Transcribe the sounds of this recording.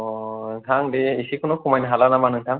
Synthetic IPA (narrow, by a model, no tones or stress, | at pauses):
tʰaŋdeːsikʰunukumajnɦalanamanɯŋtʰaŋ